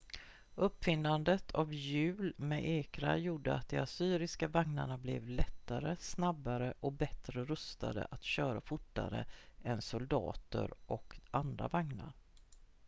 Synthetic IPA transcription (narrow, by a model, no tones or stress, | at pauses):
ɵpːfɪnd̪and̪ət̪ʰavjʉ̟ːlmɛʔeːkɾa̰juːɖəa̰t̪̚d̪ɛasyːɾɪskavaŋna̰ɳablɛ̰vlɛt̪ːaɾəsnabːaɾəʔɔbɛt̪ɾəɾɵst̪a̰d̪ə̰ʔat̪ɕœːɾafʊʈːa̰ɾə̰ɛnsʊld̪ɑ̰ːt̪ə̰ɾʔɔkʔand̪ɾa̰vaŋna̰ɾ